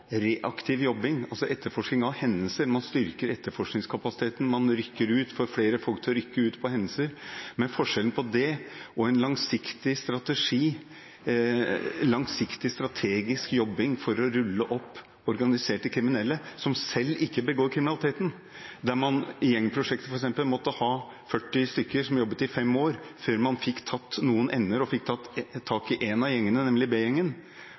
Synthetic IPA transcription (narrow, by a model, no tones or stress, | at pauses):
ɾeːʔɑkt̪ʰɪʋjɔbːɪŋɑlsɔʔɛt̪ːəɾfɔʂknɪŋɑʋhɛnːəlsəɾmɑnst̪ʏɾkəɾɛt̪ːəɾfɔʂknɪŋskʰɑpɑsɪ̥t̪ʰeːt̪n̩mɑnɾʏkːəɾʉːt̪fɔɾfleːɾəfɔlk̚t̪ʰlɾʏkːəʉːt̪pʰɔhɛnːəsəɾmɛnfɔʂɛln̩pʰɔd̪ɛɔɛnlɑŋsɪkt̪ɪst̪ɾɑt̪əʂiː | lɑŋsɪkt̪ɪst̪ɾɑt̪ʰeːɡɪskjɔbːɪŋfɔɾɔɾʉlːəʔɔpː | ɔɾɡɑnɪseːʈːɪkʰɾɪmɪnɛlːəsɔmsɛlːɪkːəbəɡoːɾkʰɾɪmɪnɑlɪt̪eːt̪n̩ | d̪æɾmɑnjɛŋːpʰɾʊʂɛk̚t̪əfɔɾɛksɛmpəlmɔt̪ːəhɑː | fœʈːɪst̪ʏkːəɾʂɔmjɔbːət̪ɪfɛmːoːɾføːɾmɑnfɪkːt̪ʰɑt̪ːnuːənʔɛnːəɾɔfɪkt̪ʰɑt̪ːt̪ʰːɑːkɪʔɛnɑjɛŋːənənɛmlɪbeːjɛŋːən